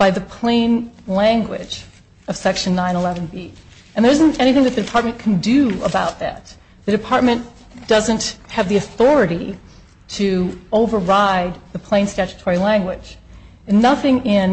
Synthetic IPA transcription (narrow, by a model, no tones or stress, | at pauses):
b̥aɪðɨpʰl̥ẽɪ̃nlæ̃ŋɡwɪ̰d͡ʒ | ʌv̥sɛkʃɨ̃nːãɪ̃nəlɛvɨ̃n̩bi | ɨ̃nðə˞ɪzɨ̃n̩tɛniθɪ̃ŋðɨt̪̚ðɨdɨpʰɑɹt̚mɨ̃nkʰn̩dɨə̰baʊt̪̚ðɨ̰t̪̚ | ðɨɾɨpʰɑɹt̚mɨ̃n | d̥ʌzɨ̃nt̚hɨvðiɨθɔɹɨɾi | ɾɨoʊvə˞ɹaɪd̪̚ðɨpʰl̥ẽɪ̃nstæt͡ʃɨ̥tʰɔɹilæ̃ŋɡwɪ̥d͡ʒ̥ | ɨ̃nːʌθɪ̃ŋɪ̃n